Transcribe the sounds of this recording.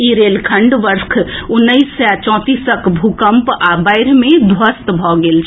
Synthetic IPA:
iɾeːlkʰəɳɖʋəɾkʰʊnːəisːat͡ʃɔ̃ːt̪isəkbʱukəmpabaɪɾmẽd̪ʱʋəst̪bʱɔɡeːlt͡ʃʰ

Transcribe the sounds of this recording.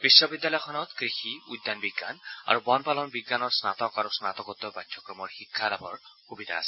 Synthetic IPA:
b̥isːɔbid̪ːjalɔjɔkʰɔnɔt̪kɹixiud̪ːanbiɡːana̰ɹubɔnpalɔnbiɡːanɔɹsnat̪ɔkaɹusnat̪ɔkɔt̪ːɔbajd̪ʰʱjɔkɹɔmɔɹxikʰːalabʰʱɔɹxubid̪ʱa̰ːsɛ̥

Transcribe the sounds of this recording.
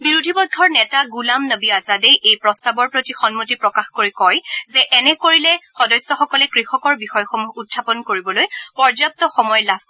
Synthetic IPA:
biɹudʱibɔɡʰʱːɔɹnɛtaɡulamnəbiazadejʔejpɹɔstabɔɹpɹotixɔnmutipɹɔkaxkoɹikɔjzɛʔɛnɛkoɹilɛxɔdɔjsjɔxɔkɔlɛkɹixɔkɔɹbixɔjxɔmuutʰːapɔnkoɹibɔlojpɔɹzap̚tɔxɔmɔjlab̚ʱ

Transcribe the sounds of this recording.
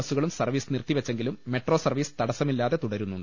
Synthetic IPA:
ɐsuɣɐɭumsɐrʋiːsnirt̪ːiʋɐt͡ɕːe̞ŋɡilumːe̞ʈro̞ːsɐrʋiːsɨ̥t̪ɐɽɐsɐmilːaːðe̞t̪uɽɐɾunːuɳɖɨ

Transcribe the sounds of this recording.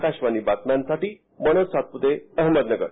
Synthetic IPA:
kaɕʋaniːbaknansaʈiː | mənosat̪̚put̪eəɦməd̪nəɡə̰ɾ

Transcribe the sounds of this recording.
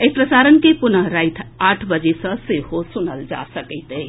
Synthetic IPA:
epɾəsaɾənkepunəɦɾaɪt̪ʰaʈʰbəd͡ʒesə̃seɦosunəld͡ʒa̰səkəɪt̪e

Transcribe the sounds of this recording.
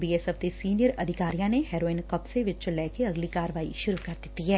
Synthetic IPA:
biːɛsɛfd̪esiːnijəɾɐd̪ʱɪkaːɾijãneɦɛːɾoːɪnkɐpseʋɪt͡ʃlɛːkeɐɡlikaːɾəʋaːḭʃʊɾukɐɾd̪ɪt̪ːiɦɛː

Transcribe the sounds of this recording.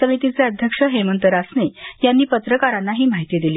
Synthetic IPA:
səmit̪it͡seəd̪ʱjəkʂəɦemənt̪əɾasnejanːiːpət̪ɾəkaɾanːaɦiːmaɦit̪iːd̪iliː

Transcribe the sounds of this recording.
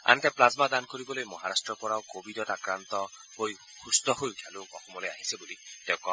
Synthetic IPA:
a̰nt̪aplazmad̪ankoɾibɔlojmɔɦaɾasʈɾɔpɔɾawkobidɔtakɾant̪ɔboj | hust̪ɔɦojkʰaluɔ̰xɔmɔloja̰ɦisebulit̪ewkɔ

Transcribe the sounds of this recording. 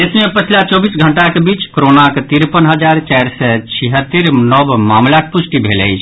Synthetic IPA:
esmẽpət͡ʃʰlat͡ʃɔbisɡʱəɳʈakebiːt͡ʃkɾonaket̪iɾpənɦəd͡ʒaɾt͡ʃaɾsɛt͡ʃʰiɦət̪ːiɾnɔbmamlakepusʈibʱelɛ̰jt͡ʃʰ

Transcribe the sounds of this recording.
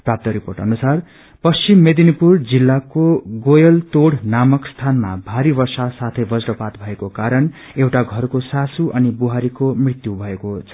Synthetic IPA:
prap̚t̪ʌɾiporʈʌ̰nusar | pʌst͡simːed̪inipurd͡zilːakoɡojʌlt̪oɽnamʌkst̪ʰanma̰bʱaɾibʌrsasat̪ʰʌjbʌd͡zɾʌpat̪bʱʌekokaɾʌn | ewʈaɡʱʌrkosasuʔʌnibuɦaɾikomrit̪jubʱʌekot͡sʰʌ̥

